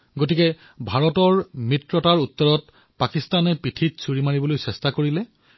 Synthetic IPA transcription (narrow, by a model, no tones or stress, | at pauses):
ɡotikɛ | bʱaɹɔtɔɹmɹitɹɔtaɹutːɔɹɔt | pakistanɛpɹitʰitsuɹimaɹibɔlojsɛstakoɹilɛ